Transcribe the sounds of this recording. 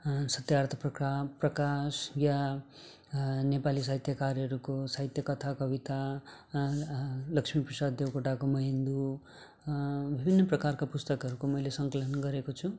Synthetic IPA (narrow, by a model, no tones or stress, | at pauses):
sʌt̪jart̪ʰʌprʌkraprʌkasja | nepalis̬aɦit̪jʌkaɾʌɾukosaɦit̪jʌkʌt̪ʰakʌbit̪a | lʌkʂmiprʌsad̪djewkoʈakomʌɦind̪u | bʱibʱinːʌprʌkarkapust̪ʌkʌɾukomʌjlesʌŋkʌlʌnɡʌɾekot͡sʰu